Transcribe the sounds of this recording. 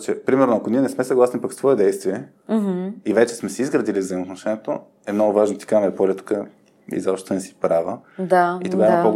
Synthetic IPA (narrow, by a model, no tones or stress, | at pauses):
t͡ʃɛpɾimɛɾnoɐkoniɛnɛsmɛsəɡlˠasnipəkst̪vɔɛd̪ɛjst̪viɛ | ivɛt͡ʃɛ̥smɛsiizɡɾəd̪ilivzəimot̪noʃɛnʲɛt̪o | ɛmn̪oɡʊvaʒnot̪i̥kamɛɛpolʲɛt̪kə | ḭzɔpʃt̪onɛsi̥pɾavəd̪ait̪oɡaimpoɡ